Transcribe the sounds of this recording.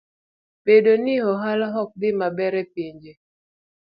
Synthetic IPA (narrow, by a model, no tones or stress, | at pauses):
pedonihɔɦalaɦɔk̚bɪmabɛɾɛpiɲd͡ʒe